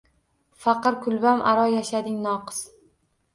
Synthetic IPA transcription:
fɑqɨɾkʰʊlbamʔa̰ɾɒjaʃad̪ɪŋnɒqɨ̥z̥

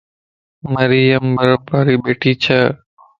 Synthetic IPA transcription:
mɐɾɪjɐmbɐɾəbaːɾiːɓeːʈiːt͡ʃʰɐ

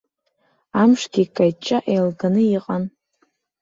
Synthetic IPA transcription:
amʂɡʲikʼajt͡ʃʼaʔejlɡanɨiqʼan

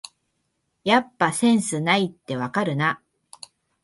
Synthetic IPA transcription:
japːasẽ̞ɰ̃sɨnait̪ːe̞βakaɾɯ̟na

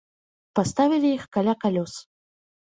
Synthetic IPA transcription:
past̪avʲilʲijixkalʲakalʲɔs

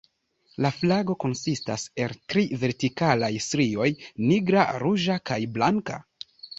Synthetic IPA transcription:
laflaɡo̞ko̞nsista̰se̞ltɾive̞ɾtikalajstɾio̞jniɡɾaɾuʒakajblaŋka̰

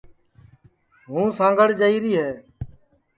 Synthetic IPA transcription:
ɦũːsãːŋɡəɽd͡ʒəiːɾiːɦɛː

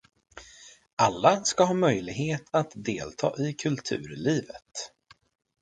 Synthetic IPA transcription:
ʔalːaskaɦɑːmœjlɪɡheːt̪ʰat̪d̪eːlt̪ʰɑ̰ːʔɪkʰɵlt̪ʰʉ̟̰ːɾliːvət̪

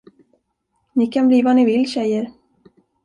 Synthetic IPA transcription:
nɪkʰanbliːvanɪvɪlɕɛjːəɾ

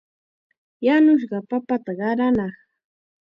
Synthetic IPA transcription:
janʊʃ̬ɢɑpapat̪aɢɑɾanɑχ

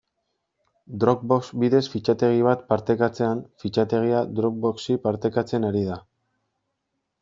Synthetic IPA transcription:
d̪ɾok̚boksbiðe̞sfit͡ʃat̪e̞ɣ̞iβat̪paɾt̪e̞kat͡se̞anfit͡ʃat̪e̞ɣ̞iad̪ɾok̚bo̞ksipaɾt̪e̞kat͡se̞naɾið̞a

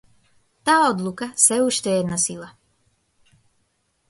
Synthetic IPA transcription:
t̪aːod̪lˠukasʋɛuʃt̪ejɛd̪nasilˠa

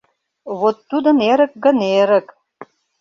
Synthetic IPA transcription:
βot̪ːud̪ə̆neɾə̆k̚ɡə̆neɾə̆k

